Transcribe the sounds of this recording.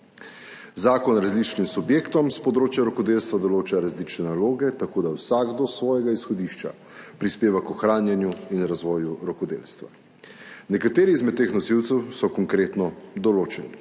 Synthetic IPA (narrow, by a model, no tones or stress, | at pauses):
zaːkɔnɾazlit͡ʃnimsubjeːkt̪ɔmspɔd̪ɾoːt͡ʃjaɾɔkɔd̪eːlst̪ʋad̪ɔloːt͡ʃaɾazlit͡ʃnɛnaloːɡɛt̪akoːd̪awsaɡd̪ɔsʋɔːjɛɡaisxɔd̪iʃt͡ʃa̰ | pɾispeːʋakɔxɾaːnjanjuinɾazʋɔːjuɾɔkɔd̪ḛːlst̪ʋa̰ | nɛkat̪eːɾiːzmɛt̪̚t̪ːexnɔsiwt̪sɛwsɔkɔŋkɾeːt̪nɔd̪ɔloːt͡ʃɛni